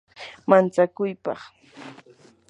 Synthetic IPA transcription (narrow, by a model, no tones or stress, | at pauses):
mant͡sakʊjpɑ̰χ